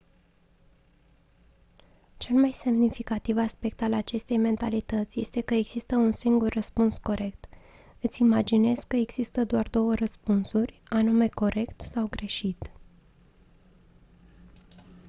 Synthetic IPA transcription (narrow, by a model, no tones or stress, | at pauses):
t͡ʃe̞lmajse̞mnifikat̪ivaspe̞kt̪alat͡ʃe̞st̪e̞jme̞nt̪alit̪ət̪sʲje̞st̪e̞kəe̞ɡz̥ist̪əunsiŋɡurːəspunsko̞ɾe̞k̚t̪ | ɨt̪sʲimad͡ʒine̞zkəeɡz̥ist̪əd̪oard̪o̞wərəspunsurʲanume̞ko̞ɾe̞kt̪sawɡɾe̞ʃit̪